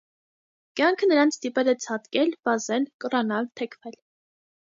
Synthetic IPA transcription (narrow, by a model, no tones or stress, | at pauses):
kjɑŋkʰənəɾɑnt͡sʰst̪ipɛlɛt͡sʰɑt̪kɛlb̥ɑzɛlkərɑnɑlt̪ʰɛkʰvɛl